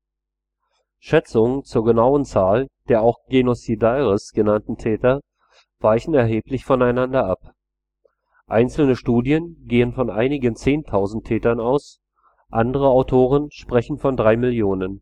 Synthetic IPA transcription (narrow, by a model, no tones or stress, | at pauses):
ʃɛt͡sʊŋət͡suːɐɡənaʊənt͡saːld̥eːɐaʊxɡ̥enosidaɪʁəsɡ̥ənantn̩tʰɛːtɐ | v̥aɪçn̩ɛɐɦeːplɪçfɔnaɪnandɐʔap | ʔaɪnt͡sl̩nəʃtuːdjənɡeːənfɔnʔaɪnɪɡənt͡seːntʰaʊzn̩tʰːɛːtɐnaʊs | ʔandəʁ̞əaʊtʰoːʁ̞ənʃpʁ̥ɛçn̩fɔndʁaɪmɪljoːnən